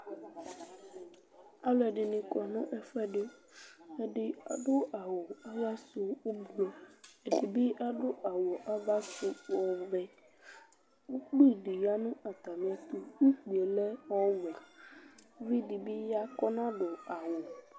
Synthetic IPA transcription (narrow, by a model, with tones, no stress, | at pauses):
a˦lɔ˨ɛ˨ɖɪ˨nĩ˨kɔ˨nɔ̃˦ʔɛ˦fɛ˦ɖe˦ | e˦ɖɪ˦a̰˨ɖo˦ʔa˨wo˨a˦va˦so˨wo˦blɔ˦e˨di˨bi˦ʔa˦ɖo˦ʔa˨wo˨ʔa˦va˦su˨˦ɔ˨vɛ˦ | wu˦k͡pi˦˨ɖi˨ja˦nũ˦ʔa˨t̪a˨mĩ˨a˨t̪u˦wu˦k͡pi˨e˨le˦ɔ˦wɛ˨˦ | vi˦ɖi˨bi˦ja˦kɔ˦nã˦ɖo˨a˨wo˨